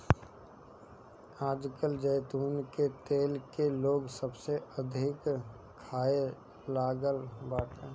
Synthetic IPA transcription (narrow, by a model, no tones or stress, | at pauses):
aːd͡ʒkəld͡ʒəjt̪uːnket̪eːlkeloːɡsəbseəd̪ʱɪk | kʰaːe | laːɡəlbaːʈẽː